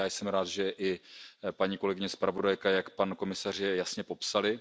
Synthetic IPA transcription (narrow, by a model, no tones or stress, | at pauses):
jaːjsɛmɾaːd̪ʒɛʔɪpaɲiːkolɛɡɪɲɛspɾavo̞dajkajakpanko̞mɪsar̝jɛjasɲɛpo̞psalɪ